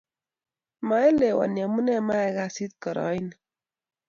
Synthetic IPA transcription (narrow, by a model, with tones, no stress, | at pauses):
ma˨˦e˦le˨wa̰˨nja˨mu˦nɛ˦ma˦ɛ˨ɣa˦si˦t̪̚kɔ˨ɾɔ̰˨˦i˦n